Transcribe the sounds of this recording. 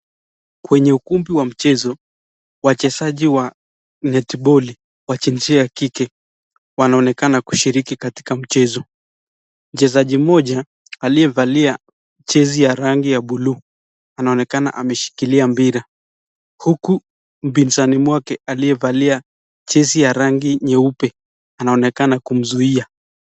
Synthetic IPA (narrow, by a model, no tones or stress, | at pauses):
kwɛɲɛukumbiwam̩t͡ʃɛzɔ | wat͡ʃɛsaʄiwa | nɛtiɓɔli | wat͡ʃinziakikɛ | wanaɔnɛkanaku̥ʃiɾikikati̥kam̩t͡ʃɛzɔ | m̩t͡ʃɛzaʄimɔʄaː | lijɛvalia | t͡ʃɛzijaɾaŋɡijaɓulu | anaɔnɛkana̰ʔamɛʃi̥kiliambiɾa | huku | m̩binzanimwakɛaliɛvalia | t͡ʃɛzijaɾaŋɡiɲɛupɛ | anaɔnɛkanakum̩zuia